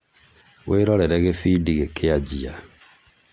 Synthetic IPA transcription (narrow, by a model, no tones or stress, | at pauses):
weːɾɔɾɛɾɛɣefidiɣekʰead͡ʒia